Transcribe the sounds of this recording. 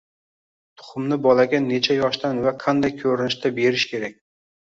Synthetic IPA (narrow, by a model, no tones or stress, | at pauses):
t̪ʰʊ̥χʊmnɪbɒlˠaɡʲane̞t͡ʃʰajɒʃt̪anvaqʰɑnd̪ajkʲʰɵɾɪnɪʃt̪ʰabe̞ɾɪʃkʲʰe̞ɾak̚ʲ